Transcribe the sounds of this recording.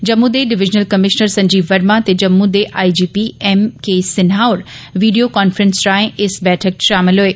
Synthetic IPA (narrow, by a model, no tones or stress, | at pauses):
d͡ʑɐmːuːd̪eɖɪʋɪd͡ʑnəlkɐmɪʃnəɾsɐ̃ɲd͡ʑiːʋɐɾmãt̪ed͡ʑɐmːũːd̪eʔaːid͡ʑiːpiemkʰeːsɪnɦaːʊɾʋiːɖijokaːnfɾə̃nsɾaːɪ̃ʔɪsbɛːʈʰək̚ʃaːmɪlɦʊeː